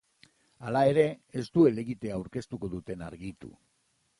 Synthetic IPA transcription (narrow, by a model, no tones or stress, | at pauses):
alae̞ɾe̞ːst̪ue̞le̞ɣit̪e̞aːwɾke̞st̪uko̞ðut̪e̞na̰ɾɣit̪ṵ